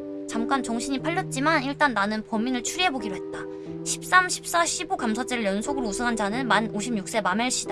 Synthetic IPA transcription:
t͡ɕamk͈ant͡ɕʌŋɕʰiɲipʰaʎːʌt̚t͡ɕ͈imaniɭt͈anːanɯnpʌmːinɯɭt͡ɕʰuɾiɦeboɡiɾoɦe̞t̚t͈a | ɕʰi̥p̚s͈amɕʰi̥p̚s͈aɕʰibukamsʰat͡ɕ͈eɾɯɭjʌnsʰoɡɯɾousʰɯŋɦand͡ʑanɯnmanoɕʰimɲjuk̚s͈e̞mameɭɕ͈i̥d̥a

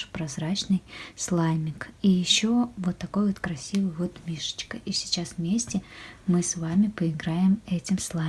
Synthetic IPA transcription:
pɾɐzɾat͡ɕnɨjslˠajmʲɪkijɪɕːovot̪ːɐko̞jvot̪kɾɐsʲivɨjvo̞t̪mʲiʂə̥t͡ɕkəʔisʲɪ̥t͡ɕasvmʲesʲtʲɪmɨsvamʲɪpəɪɡɾajɪmɛtʲɪmslˠa

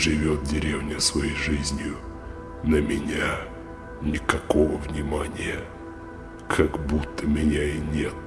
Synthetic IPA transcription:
ʐɨvʲot̪̚dʲɪɾʲevnʲəsvɐjejʐɨzʲnʲjʊ | nəmʲɪnʲa | nʲɪkɐko̞vəvnʲɪmanʲɪjə | kʰaɡbut̪ːəmʲɪnʲainʲet̪̚

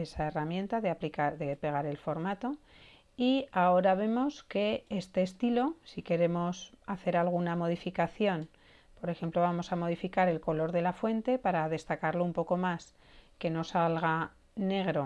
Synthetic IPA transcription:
e̞sae̞ramje̞nt̪aðeplikaðepe̞ɣ̞aɾe̞lfo̞ɾmat̪o̞ | iao̞ɾaβ̞e̞mo̞ske̞est̪e̞ːst̪ilo̞sike̞ɾe̞mo̞saθe̞ɾalɣ̞unamo̞ð̞ifikaθjo̞n | po̞ɾe̞xe̞mplo̞β̞amo̞samo̞ð̞ifikaɾe̞lko̞lo̞ɾðe̞lafwe̞nt̪e̞paɾaðe̞st̪akaɾloumpo̞ko̞mas | ke̞no̞salɣ̞a | ne̞ɣ̞ɾo̞

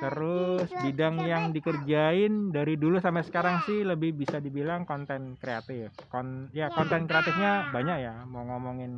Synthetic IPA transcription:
t̪əɾʊsbidaŋjaŋdikərd͡ʒaɪndaɾidulusampasə̥kaɾaŋsɪhləbɪhbisadibilaŋkɔnt̪ɛnkɾea̰t̪ɪfkɔnjakɔnt̪ɛnkɾeat̪ɪfɲabaɲak̚jamoŋomɔŋɪn

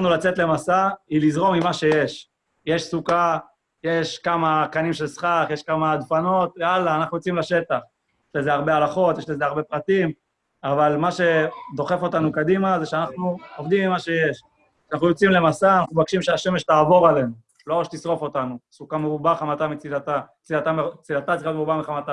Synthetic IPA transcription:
nulat͡set̪le̞masailizʁo̞mimaʃe̞jeʃ | je̞ʃsuka | jeʃkamakanimʃe̞lsχaχjeʃkamad̪fano̞t̪ealaːnaχnujot͡simlaʃe̞t̪aχ | jeʃle̞ze̞aʁbealaχo̞t̪jeʃlezeaʁbe̞pʁat̪im | avalmaʃe̞d̪o̞χe̞fo̞t̪anukad̪imazeʃeanaχnuovd̪imimaʃe̞jeʃ | anaχnujo̞t͡simle̞masanaχnubakʃimʃeaʃe̞meʃtaːvo̞ʁalen | loʁakt̪isʁo̞fo̞t̪anusukameubaχamat̪amit͡silat̪a | t͡sidat̪amet͡silat̪att͡siχjotmeubamiχamat̪a

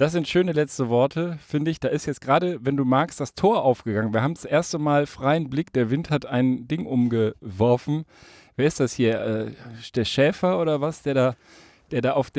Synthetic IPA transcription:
d̥asz̥ɪntʃøːnəlɛt͡stəvɔɐtʰəfɪndəɪçd̥aːʔɪstjɛt͡stɡ̥ʁaːɾəvɛnduːmaɐkstd̥astʰoːɐʔaʊfɡ̥əɡaŋənviːɐhaːbm̩t͡sʊʔeːɐstəmaːlfʁ̥aɪənblɪk̚d̥eːɐvɪnthataɪndɪŋʔʊmɡəvɔɐfn̩ | veːɐɪstd̥ashiːɐɛːd̥eːɐʃɛːfɐʔoːɾɐvasd̥eːɐdaː | d̥eːɐdaːʔaʊfd̥

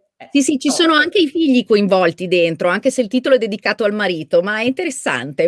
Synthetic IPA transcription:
sisit͡ʃisoːnoaŋk̟eifiʎːikoiɱvɔlt̪id̪ent̪ɾoaŋk̟eseilt̪iːt̪oloɛd̪ːed̪ikaːt̪oalmaɾiːt̪omaɛint̪eɾesːa̰nt̪e

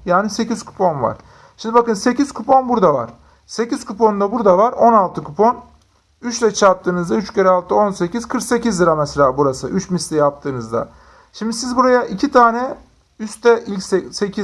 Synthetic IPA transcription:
jaːnise̞ciz̥kʰu̥pʰo̞nva̰ɾ̥ | ʃimd̪ibakɯnse̞ciz̥kʰupʰo̞nbuɾd̪ava̰ɾ̥ | se̞ciz̥kʰupʰo̞nd̪abuɾd̪avaɾo̞nalˠt̪ʰɯkʰupʰo̞n | yt͡ʃlʲɛt͡ʃʰap̚t̪ʰːɯːnɯzd̪ayt͡ʃceɾɛalˠt̪ʰɯo̞nse̞ciz̥kʰɯɾkse̞cizd̪ɯɾamɛselʲaːbuɾasɯʔyt͡ʃmist̪ʲijap̚t̪ʰɯːnɯzd̪a̰ | ʃimd̪isizbuɾajaʔicʰit̪ʰaːnɛ | yst̪ʰɛʔilʲcsese̞cʰi

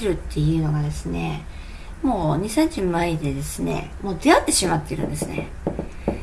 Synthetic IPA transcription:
ɾɯ̟t̪ʰːe̞jɯ̟ːno̞ɡad̪e̞sɨne̞ | mo̞ːɲ̟isẽɲd͡ʑɨmaid̪e̞d̪e̞sɨne̞̰mo̞ːd̪e̞at̪ːe̞ɕimat̪ːe̞ɾɯ̟̰̃nd̪e̞sɨne̞̰

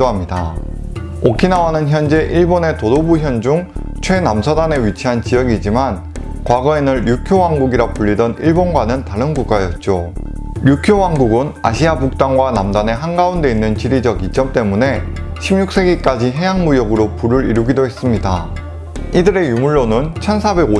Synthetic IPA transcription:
oɦamɲida | okʰinawanɯnçjʌnd͡ʑe̞ʔiɭbone̞todobuçjʌnd͡ʑuŋ | t͡ɕʰwe̞namsʰadane̞ɥit͡ɕʰiɦant͡ɕijʌɡid͡ʑiman | kwaɡʌenɯɾjukʰjowaŋɡuɡiɾapuʎːidʌniɭbonɡwanɯntaɾɯnɡuk͈ajʌt̚t͡ɕ͈o | jukʰjowaŋɡuɡɯna̰ɕʰiabuk̚t͈aŋɡwanamdane̞ɦanɡaunde̞inːɯnt͡ɕiɾid͡ʑʌɡit͡ɕ͈ʌmt͈e̞mune̞ | ɕʰimɲuk̚s͈ʰe̞ɡik͈ad͡ʑiɦe̞jaŋmujʌɡɯɾopuɾɯɾiɾuɡidoɦes͈ɯmɲida | idɯɾe̞jumuɭːonɯnt͡ɕʰʌnsʰabeɡo

